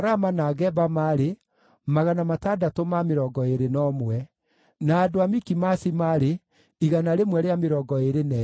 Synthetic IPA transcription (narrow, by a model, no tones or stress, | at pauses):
ɾamanaːɣɛbamaːɾe | maɣanamatadatomameɾɔːɡɔeɾenɔmwɛ | naːdoamikimasimaɾe | iɣanaɾemwɛɾeameɾɔːɡɔeɾenɛ